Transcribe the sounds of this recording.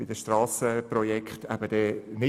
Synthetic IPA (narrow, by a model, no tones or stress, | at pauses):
b̥ɪd̥̪əʃtrɑːsəprɔjɛkχt̪æbəd̥̪ɛːnɪ